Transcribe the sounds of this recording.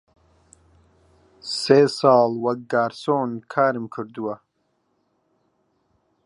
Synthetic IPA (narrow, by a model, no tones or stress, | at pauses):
seːsɑːlwɐk̚ɡaːɾsoːnkʰaːɾimkʰɨɾd̪uwɐ